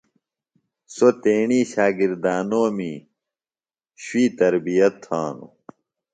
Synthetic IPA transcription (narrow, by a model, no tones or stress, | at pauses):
sot̪eːɳiːɕaːɡiɾd̪aːnoːmi | ɕwiːt̪ɐɾbijɐt̪ʰːaːnṵ